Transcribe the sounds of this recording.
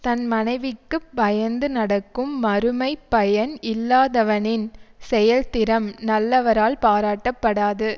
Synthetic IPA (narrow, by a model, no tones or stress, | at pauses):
t̪ɐnmɐnɐɪʋɪkːɯbɐjɐnd̪ɯnɐɽɐkːɯmːɐɾɯmɐɪpːɐjɐnɪlːaːðɐʋɐnɪnsɛjɐlt̪ɪɾɐmnɐlːɐʋɐɾaːlpaːɾaːʈːɐpːɐɽaːðɯ